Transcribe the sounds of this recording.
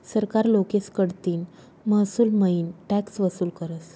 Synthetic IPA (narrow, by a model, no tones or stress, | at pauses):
səɾkaɾlokeskəɽt̪iːn | məsuːlməiːnʈɛksʋəsuːlkəɾəs